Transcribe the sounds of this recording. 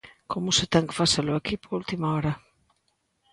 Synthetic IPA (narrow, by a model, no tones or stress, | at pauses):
komʊsɪt̪ɛŋkɪ̥faselʊakipoult̪imaɔɾɐ